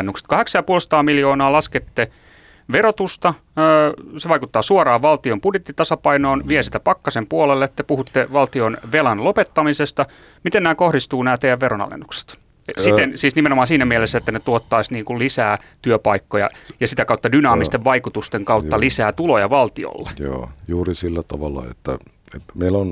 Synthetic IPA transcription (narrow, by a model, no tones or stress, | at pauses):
nːukse̥t̪kɑheksɑjɑpuolsɑ̥t̪ɑːmiljoːnɑːlɑsket̪ːe | ʋeɾot̪ust̪ɑ | əːseʋɑikut̪ːɑːsuorɑːʋʋɑlt̪iompudjet̪ːit̪ɑsɑpɑinoːnʋiɛsit̪æpɑkːɑsempuolelːet̪ːæpuhut̪ːeʋɑlt̪ionʋelɑnlopet̪ːɑmisest̪ɑ | mit̪ennæːkohdist̪uːnæːt̪ejæʋʋeɾonɑ̰lḛnːukse̥t̪ | sit̪ensiːsnimenomɑːnsiːnæmielesːæet̪ːænet̪uot̪ːɑisniːŋkullisæːt̪yøpɑikːojɑ̰jɑsit̪ækɑut̪ːɑdynɑːmist̪eʋʋɑikut̪ust̪eŋkɑut̪ːɑlisæːt̪ulojɑʋɑlt̪io̰lːḛjo̰ːjuːrisilːæt̪ɑʋɑlːˑɑ̰ḛt̪ːæ̰ | emeilon